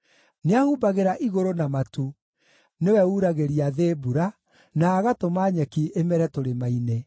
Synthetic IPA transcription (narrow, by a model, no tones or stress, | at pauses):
neahubaɣeɾaʔiɣoɾonamatu | newɛuɾaɣeɾiaðeːbuɾa | naːɣatomaːɲɛkiʔemɛɾɛtoɾemaine